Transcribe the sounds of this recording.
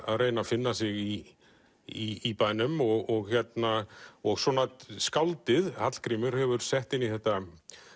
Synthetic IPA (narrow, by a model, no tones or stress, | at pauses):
a̰ðreːjnafɪnːasɪɣi | iːpaːjnʏmɔɣɔɣçjɛt̪naɔɣsɔːnat̪skawlt̪ɪðhat̪l̥kɾiːmʏɾ̥hɛvʏɾ̥sɛht̪ɪnːiθɛht̪a